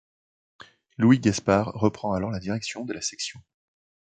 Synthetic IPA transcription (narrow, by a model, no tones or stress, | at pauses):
lwiɡɛspaʁːəpχɑ̃alɔʁlad̪iʁɛksjɔ̃d̪əlasɛksjɔ̃